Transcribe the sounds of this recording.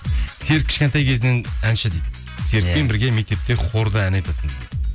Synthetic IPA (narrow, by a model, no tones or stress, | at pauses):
se̞ɾɪkʲʰɪ̥ʃkʲent̪ɑjkʲʰe̞zɪnɪnænʃɪd̪ejd̪ | se̞ɾɪkpe̞nbɪɾɡʲeme̞k̚ʲt̪ep̚t̪e̞qʰoɾd̪əænɑjt̪ɑt̪ʰənd̪